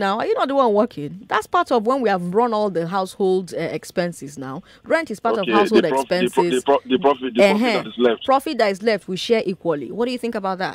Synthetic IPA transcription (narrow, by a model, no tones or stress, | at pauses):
naʊajunɔt̚dəwʌ̃nwɜkʰɪ̃ŋðatspatɔvwɛ̃nwiavɹɔ̃nɔlˠðəɦaʊsholˠdɛɛkspɛ̃nsɪzna̰ʊ | ɹɛ̃ntɪz̥paɾɔvhaʊshodɛspɛ̃sɪzðəɹɔfɪdɦɛ̃tzlɛftpɹ̥ɔfɪt̚ðatizlɛftwiʃɛʔikwəlḭwɔt̚d̥ɨjuθɪ̃ŋkəbaʊt̚ða̰t